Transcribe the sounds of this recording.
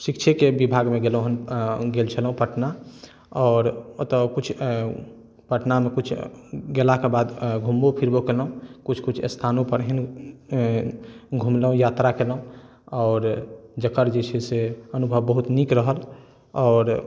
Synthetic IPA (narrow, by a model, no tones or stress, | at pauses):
sikt͡ʃʰekebibʱaɡmeɡelũɦənɡelt͡ʃʰəlɦũpəʈna | ɔːɾt̪ɔkut͡ʃʰ | pəʈnamekut͡ʃʰɡelakebad̪ɡʱumbopʰiɾbokelɦũkut͡ʃʰkut͡ʃʰst̪ʰanõpəɾɦin | ɡʱumlɦũjat̪ɾakelɦũ | ɔːɾd͡ʒəkəɾd͡ʒet͡ʃʰeseənubʱəʋbəɦut̪nikɾəɦəl | ɔːɾ